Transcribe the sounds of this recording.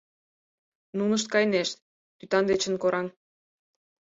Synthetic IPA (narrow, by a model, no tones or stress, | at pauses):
nunə̆ʃt̪̚kɑjneʃt̪ | t̪yt̪ɑnd̪et͡ɕə̆nkoɾɑŋ